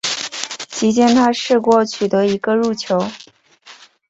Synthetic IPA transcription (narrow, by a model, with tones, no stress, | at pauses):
t͡ɕi˧˥t͡ɕjɛ˥˧nt̪ʰa˥ʂɻ̩˥˧kwɔ˥˩t͡ɕʰy˨˩t̪ɤ˧˥i˧˥ɡə˧ɻu˥˩t͡ɕʰjo˧˥ʊ